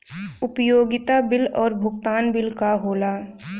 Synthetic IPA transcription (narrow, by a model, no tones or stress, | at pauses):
ʊpəjoːɡɪt̪abɪlɔːɾbʱʊkt̪aːnbɪlkaɦoːlaː